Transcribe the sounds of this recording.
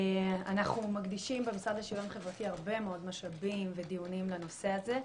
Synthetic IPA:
a̰naχnumaɡd̪iʃimbemisad̪leʃilonχe̞vʁatiaʁbe̞meo̞d̪maʃabimved̪iunimleno̞se̞aze

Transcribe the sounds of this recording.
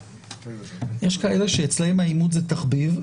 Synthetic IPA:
je̞ʃkae̞le̞ʃeːt͡slejmaimut̪zetaχbiv

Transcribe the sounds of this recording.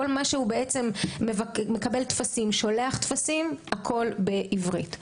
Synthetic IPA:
olmaʃeubeʔet͡se̞mːevakmːekabeltfasimʃo̞leaχtfasimakʰo̞lbeʔivʁḭt

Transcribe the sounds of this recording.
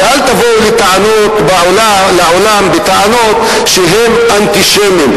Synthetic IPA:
alt̪avoulet̪aʕanot̪baola | leʕolambet̪aʕanot̪ | ʃeɦem | ant̪iʃemim

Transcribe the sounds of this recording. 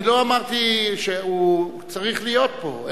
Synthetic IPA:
loamaʁt̪iʃeu | t͡saʁiχlijot̪̚po̞̰

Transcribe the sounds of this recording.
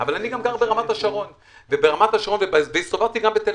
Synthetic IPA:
avalaniɡamɡaʁbe̞ʁamat̪aʃaʁo̞n | vebe̞ʁamat̪aʃaʁo̞nvebaveistovaʁt̪iɡambet̪el

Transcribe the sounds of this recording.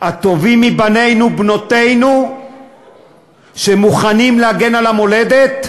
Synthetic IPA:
at̪o̞vimːibane̞jnubno̞t̪e̞jnu | ʃemuχanimlehaɡe̞nalamo̞le̞d̪e̞t̪

